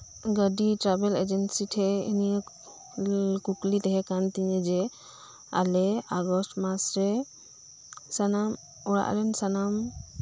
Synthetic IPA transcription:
ɡəɖiʈɾabɛled͡ʒɛnsiʈʰɛḭni | kuklit̪ɛɦɛkant̪iɲɛd͡ʒɛ | a̰lɛaɡɔsʈmasɾɛ | sanam | ɔɽa̰ʔlɛnsanam

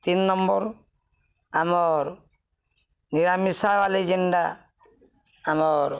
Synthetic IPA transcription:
t̪inːɔmbɔɾ | amɔɾ | niɾamisawaled͡ʒeɳɖa | amɔɾ

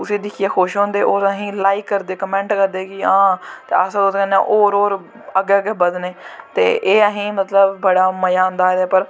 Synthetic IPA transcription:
ʊseːd̪ɪkʰijeːxoːʃɦõːnd̪eːʔoːɾəɦĩːlaːikːəɾd̪eːkəmɛ̃ːɳʈkəɾd̪eːkɪãːt̪easd̪oːd̪kə̃nã̰ːʔoːɾoːɾ | əɡeːəɡeːbəd̪neːt̪ḛːʔeːəɦĩːmət̪ləbːəɽaːməjaːɦʊ̃nd̪aːd̪ːpəɾ

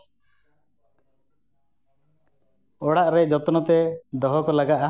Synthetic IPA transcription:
ɔɽaʔɾed͡ʒɔt̪ɔnɔt̪ed̪ɔɦɔkɔlaɡaʔa

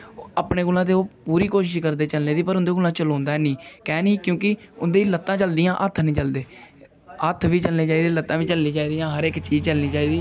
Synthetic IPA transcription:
aːpneːɡʊlãːt̪̬eːoːpuːɾiːkoːʃɪʃkəɾd̪eːt͡ʃəlneːd̪iːpəɾʊnd̪eːɡʊlãːt͡ʃəlõːnd̪aːɛnĩːkɛːnĩːkjõːkɪʊnd̪eːlət̪ːãːt͡ʃəld̪ijãːʔət̪ʰnĩːt͡ʃəld̪eː | ət̪ʰʋiːt͡ʃəlneːt͡ʃaːiːd̪eːlət̪ːãːʋiːt͡ʃəlnĩːt͡ʃaːiːd̪ijãːɦəɾɪkt͡ʃiːd͡ʒt͡ʃəlnĩːt͡ʃaːiːd̪iː

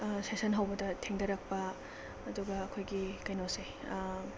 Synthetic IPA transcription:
sesɐnɦawbɐdɐtʰeŋdɐɾɐk̚pɐː | duɡɐːkʰojɡikɐjnose

